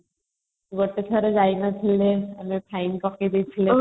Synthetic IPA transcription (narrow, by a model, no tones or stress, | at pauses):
ɡoʈet͡ɕʰaɾed͡ʒajnat͡ɕʰilːeamipʰajnkɔked̪ejt͡ɕʰile